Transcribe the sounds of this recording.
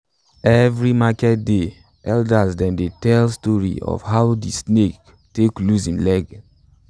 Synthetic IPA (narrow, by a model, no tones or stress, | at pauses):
ɛvɾimakɛt̚de | ɛldasdãndetɛlstɔɹḭɔ̰fhaʊdisnek | teklusĩmlɛɡ